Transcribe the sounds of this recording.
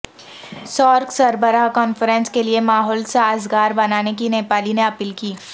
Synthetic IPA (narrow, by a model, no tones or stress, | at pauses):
sɔːɾksɐɾbəɾaɦkɔːnfəɾɛ̃nskeliemaːɦɔːlsaaːzɡaːɾbɐnaːnek̬ineːpaːlineɐpilkiː